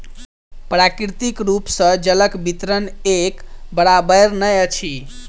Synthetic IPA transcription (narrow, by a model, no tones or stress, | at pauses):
pɾakɾit̪ikɾupsə̃d͡ʒələkbit̪ɾənekbəɽabəjɾnəjət͡ʃʰi